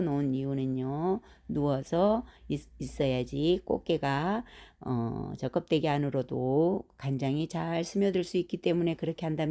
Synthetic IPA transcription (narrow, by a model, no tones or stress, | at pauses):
noniunɯnonuwʌsʰʌiis͈ʌjad͡ʑik͈o̰k͈e̞ɡa | ʌ̰t͡ɕʌk͈ʌp̚t͈weɡeɦanɯɾodokand͡ʑaŋit͡ɕaɭsʰɯmjʌdɯɭs͈uik͈it͈e̞mune̞kɯɾʌkʰe̞handam